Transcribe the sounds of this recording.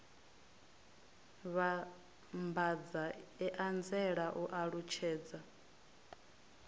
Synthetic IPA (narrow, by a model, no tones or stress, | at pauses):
βa | mbad͡zaɛʔand͡zɛɺaʔuʔaɺut͡ʃʰɛːd͡za